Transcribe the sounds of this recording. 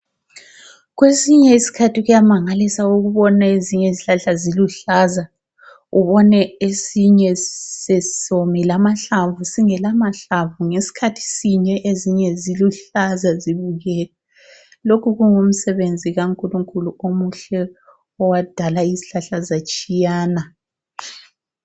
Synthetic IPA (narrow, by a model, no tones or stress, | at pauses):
ɣwesiɲɛisi̥kʰatʰiɣujamaŋalisaoɣuβɔnaeziɲɛiziɬaɬaziluɬaːza | uβɔnɛesiɲɛsɛsomilamaɬavusiŋɛlamaɬavuŋesi̥kʰatʰi̥siɲɛʔeziɲɛziluɬazaziβuɣɛːlɛ | lokʰuɣuŋum̩sɛβend͡zʱiɣaŋkʼuluŋkʼuluomuɬɛ | ɔwad̥ʱalaiziɬaɬazat͡ʃʼijaːna